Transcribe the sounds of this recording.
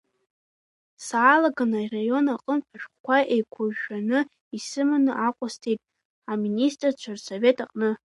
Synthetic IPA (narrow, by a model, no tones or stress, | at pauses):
saːlaɡanairajo̞naqʼəmpʰʼaʃᶣχkʷaʔejkʷʰʊʒːanɨ | isɨmɨnɨʔaqʷʼastʰejtʼ | aministʼrt͡ʃʷʰarso̞ve̞tʰaqʼnɨ